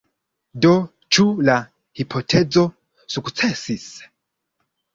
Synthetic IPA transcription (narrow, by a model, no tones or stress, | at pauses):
do | t͡ʃula | hipʰo̞tʰed͡zo̞ | sukt͡sesis